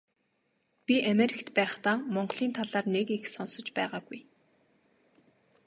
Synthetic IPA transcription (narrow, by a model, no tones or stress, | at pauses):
pʲiʔameɾʲikt̪pæːχt̪aːmɔɴɢɞɮiːnt̪ʰaɮaːrnekixsɔnsɞ̆t͡ɕpæːʁaːɡuj